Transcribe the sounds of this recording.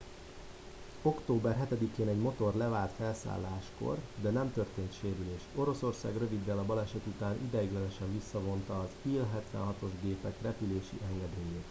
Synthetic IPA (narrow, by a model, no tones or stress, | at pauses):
o̞kt̪oːbɛrɦɛt̪ɛd̪ikeːnɛɟmo̞t̪o̞rlɛvaːlt̪fɛlsa̰ːlːaːʃko̞̰rd̪ɛnɛmt̪ørt̪eːnt̪ʃeːɾyleːʃo̞ɾo̞so̞rsa̰ːɡrø̞vid̪ːɛlɒbɒlɛʃɛt̪ut̪aːnʔid̪ɛjiɡlɛnøʃɛɱvisːɒvo̞nt̪ɒːziːlɦɛt̪ʋɛ̰nɦɒt̪o̞ʒɡeːpɛkrɛpyleːʃḭʔɛŋɡɛd̪eːjeːt̪